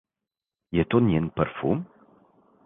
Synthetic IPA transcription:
jet̪onjenpəɾfṵm

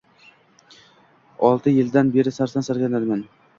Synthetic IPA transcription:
ɒlˠt̪ʰɪjɪld̪anbe̞ɾɪsaɾsansaɾɡʲanad̪man

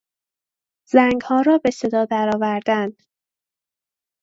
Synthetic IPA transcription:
z̥æŋɡhɒːɾɒːbe̞se̞d̪ɒːd̪æɾɒːvæɾd̪ænd̪̥

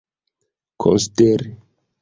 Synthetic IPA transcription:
kʰo̰nsi̥deɾi

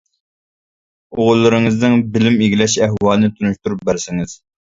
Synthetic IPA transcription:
oʁʊlˠːɨɾɨŋɨznɨŋbɪlɪmeɡʲilɛʃɛɦwɑːlˠɨnɨt̪ʰunuʃt̪uɾup̚bæɾsɪŋɪz̥

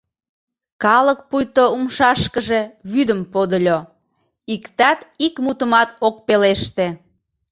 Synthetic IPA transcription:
kɑlək̚pujt̪oumʃɑʃkəʒeβyd̪əmpod̪əlʲo | ikt̪ɑt̪ikmut̪əmɑt̪ok̚peleʃt̪e

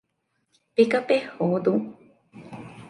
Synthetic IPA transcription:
pekapehod̪u

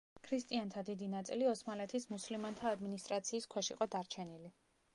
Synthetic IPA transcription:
kʰɾist̪ʼiant̪ʰad̪id̪inat̪sʼiliɔsmalɛt̪ʰismuslimant̪ʰaːd̪minist̪ʼɾat̪sʰiːskʰwɛʃiqʼɔd̪aɾt͡ʃʰɛnili

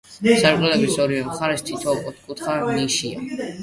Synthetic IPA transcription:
saɾqʼɛlɛbisɔɾivɛmχaɾɛst̪ʰit̪ʰɔɔt̪ʰkʼut̪ʰχaniʃia̰

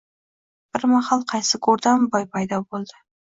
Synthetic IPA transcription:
b̥ɪɾmahɑlˠqʰɑjsɪkʰoɾd̪ambɒjpʰajd̪ɒbolˠd̪ɪ

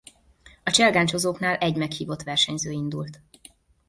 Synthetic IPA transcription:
ɒt͡ʃɛlɡaːɲt͡ʃozoːknaːlʔɛɟmɛkhiːvo̞t̪ʋɛrʃɛɲzøːind̪ṵlt̪

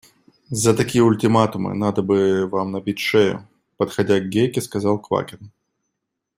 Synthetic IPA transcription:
zət̪ɐkʲijəʊlʲtʲɪmat̪ʊmɨ̰nad̪əbɨvamnɐbʲitʲʂɛjʊ̰ | pət̪xɐdʲaɡɡʲekʲɪskɐzɑlˠkva̰kʲɪn

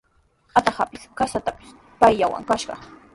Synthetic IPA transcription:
at̪ɑhapɪskasat̪apɪ̥s | pajʎawa̰ŋkaʃɢɑ̰

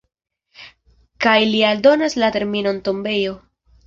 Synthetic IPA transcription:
kajlialdo̞naslate̞ɾmino̞nto̞mbe̞jo̞

